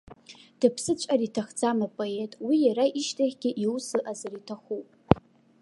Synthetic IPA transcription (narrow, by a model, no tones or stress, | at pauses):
d̥ɨpʰsɨt͡ɕʷʼaritʰaχd͡zamapʼo̞e̞tʼwijaɾaʔiʃtʰʼaχʲɡʲɪʔiwsɨʔazaritʰaχupʼ